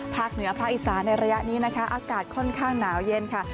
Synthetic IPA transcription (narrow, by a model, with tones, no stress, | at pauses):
pʰaː˥˩k̚nɯ˩˦ɐpʰaː˥˩k̚ʔi˨˩saː˩˦nːa˧jɾa˧ja˦˥ʔniː˦˥na˦˥kʰa˦˥ʔaː˧kaː˨˩t̪̚kʰɔ˥˩nkʰaː˥˩ŋnaː˩˦wje˧nkʰa˥˩